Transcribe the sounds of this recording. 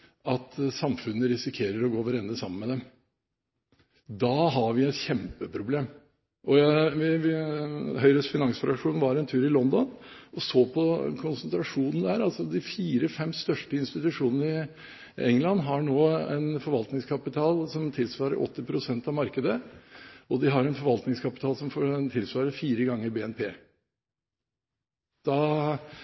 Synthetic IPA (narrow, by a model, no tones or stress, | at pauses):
ʔɑt̪sɑmfʉnːəɾɪsɪkʰeːɾəɾɔɡoːʋæɾɛnːəsɑmənmɛd̪ɛm | d̪ɑːɦɑʋɪɛɪt̪çɛmpəpʰɾʊbleːm | ʔɔjæʋɪʋɪɦœʏɾəsfɪnɑŋsfɾɑkʂuːnʋɑɾɛnt̪ʰʉːɾɪlɔnd̪ɔnʔɔsoːpʰɔkʰʊnsənt̪ɾɑʂuːnn̩d̪æːɾɑlsɔd̪ɪfiːɾəfɛmst̪œʂʈəɪnst̪ɪt̪ʉʂuːnənəɪ | ɛŋlɑnːɦɑɳoːɛ̰nfɔɾʋɑlt̪nɪŋskʰɑpɪt̪ʰɑːlsɔmt̪ʰɪlsʋɑːɾə̰ɾʔɔ̰t̪ːɪpʰɾʊsɛnt̪ɑʋmɑɾkəd̪ə | ʔɔd̪ɪɦɑɾɛnfɔɾʋɑlt̪nɪŋskʰɑpɪt̪ʰɑːlsɔmfɔt̪ʰɪlsʋɑːɾəfiːɾəɡɑŋːəɾbeːɛnpʰeː | d̪̥ɑ